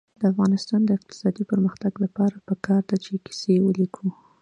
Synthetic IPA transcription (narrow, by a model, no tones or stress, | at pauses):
d̪̥əafɣɑnɪst̪ɑnd̪əɪq̚t̪ɪ̥sɑd̪ipəɾməxt̪aɡlapɑɾapəkʰɑɾd̪at͡ʃeki̥sewəlikʰu